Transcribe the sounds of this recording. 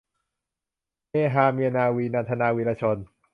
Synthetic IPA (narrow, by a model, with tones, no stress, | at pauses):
meː˧ɦaː˧mi˧ənaː˧wiː˧naː˧t̪ʰa˧naː˧wiː˧laː˧t͡ɕʰo˧n